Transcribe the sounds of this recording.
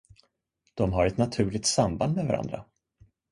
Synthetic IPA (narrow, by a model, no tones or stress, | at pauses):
d̪̥ɔmɦaɾɛt̪nat̪ʰʉ̟ːɭɪk̚t̪samband̪̚mɛvaɾa̰nd̪ɾa̰